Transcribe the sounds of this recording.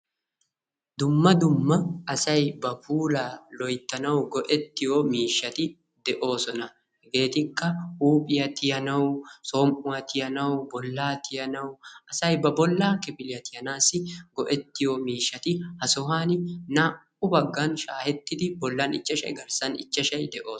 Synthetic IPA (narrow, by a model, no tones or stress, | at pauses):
d̪ʊmːɐd̪ʊmːɐːsɐjbɐbuːlaːlɔjt̪ːɐnɐwɡɔʔɛt̪ːɪjoːmiːʃːɐt̪ɪ | d̪ɛʔo̞ːsɔnɐ | ɡe̞ːt̪ɪkːɐhuːpʼɪjɐt̪ɪjɐnɐwsoːmʔʊɐt̪ɪjɐnɐwbɔlːaːt̪ʰɪjɐnɐwʔɐsɐjbɐbɔlːaːkɪpɪlɪjɐt̪ɪjɐnaːsɪɡɔʔɛt̪ːɪjoːmiːʃːɐt̪ɪhɐsɔɦaːnɪnɐ | ʊbɐɡːɐnʃaːhɛt̪ːɪd̪ɪbɔlːaːnɪ̰t͡ʃːɐʃɐ̰jɡɐɾsɐnɪ̰t͡ʃːɐʃɐjd̪ɛʔo̞ː